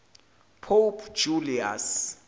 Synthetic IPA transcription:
pʰolpʰd͡ʒulia̰s

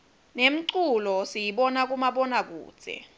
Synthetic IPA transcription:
nem̩ǀulɔsijiɓɔnak̬ʼumaɓɔnak̬ṵːd̥z̥ʱɛ̰

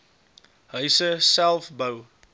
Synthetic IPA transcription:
ɦəɥsəsælˠfbəw

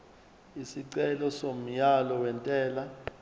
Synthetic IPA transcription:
isiǀɛlɔsom̩jalɔwɛntʼɛːla

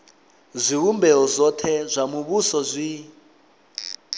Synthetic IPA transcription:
zʷiɦumbɛɔzʷɔtʰɛzʷamuβusɔzʷi

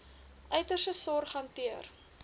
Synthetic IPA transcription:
ʔœɥtərsəsɔrχɐntiər

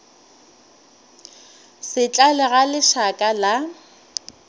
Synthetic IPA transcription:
sɪt͡ɬʼalɛɣalɪʃakʼala

